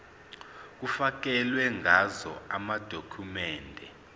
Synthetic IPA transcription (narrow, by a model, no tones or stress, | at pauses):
k̬ufak̬ɛlwɛŋʱazɔamad̥ʱokʰumɛːndʱɛ